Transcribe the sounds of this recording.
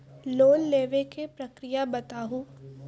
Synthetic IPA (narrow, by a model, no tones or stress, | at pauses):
loːnleːʋekepɾɐkɾijabɐt̪aːɦu